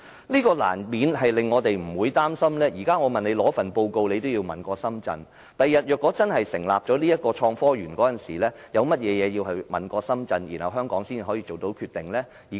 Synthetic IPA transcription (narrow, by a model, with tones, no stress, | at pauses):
liː˥kɔː˧la̰ː˨˩nmiː˨˧nɦɐ˨jlɪ˨ŋːɔː˨˧t̪e˨jm̩˨˩wuː˨˧jt̪aː˥msɐ˥mlɛː˥jiː˨˩kaː˥ŋɔː˨˧mɐ˨ne˨˧jlɔː˨˥fɐ˨npo˧wko˧wle˨˧jt̪o˥wjiː˧wmɐ̰˨nkɔː˧sɐ˥mt͡sɐ̰˧n | t̪ɐ˨jːɐ˨t̚jœː˨˩kːɔː˨˥t͡sɐ˥nhɐ˨jsɪ̰˨˩ŋlaː˨p̚t͡ʃɔː˨˥liː˥jɐ˥t̚kɔː˧t͡ʃʰɔː˧ŋfɔː˥jyː˨˩nkɔː˨˥t͡sɐ˨nsiː˨˩lɛː˥ | jɐ˨˧wmɐ˥t̚jɛː˨˧jɛː˨˧ji˧whɐ˨jmɐ̰˨nkɔː˧sɐ˥mt͡sɐ˧njiː˨˩nhɐ˨˩wɦœː˥ŋkɔː˨˥ŋsiː˥n˨˩ɦɔː˨˥jiː˧t͡so˨wt̪o˨˧˥wkʰyː˧t̪ɪ˨ŋlɛː˥ | iː˨